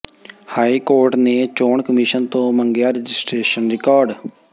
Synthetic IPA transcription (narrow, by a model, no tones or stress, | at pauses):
haːiːkoːɾʈneːt͡ʃoːɳkəmiːʃənt̪õːməŋɡjaːɾəd͡ʒɪsʈɾeːʃənɾɪkaːɾɖ